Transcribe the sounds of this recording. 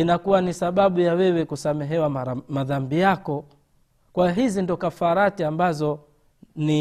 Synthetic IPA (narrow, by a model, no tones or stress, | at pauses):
inakuwanisaɓaɓujawɛwɛkusamɛɦɛwamaðambijakɔ | kwaɦizindɔkafaɾatiambazɔ | ni